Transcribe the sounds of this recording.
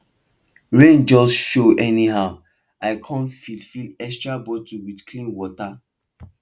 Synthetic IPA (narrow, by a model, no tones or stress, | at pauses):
ɹẽnd͡ʒɔsʃoʔɛniɦaʊ | aɪkʰɔ̃nfilfilɛkstɹabɔtuwidkʰlĩnwɔta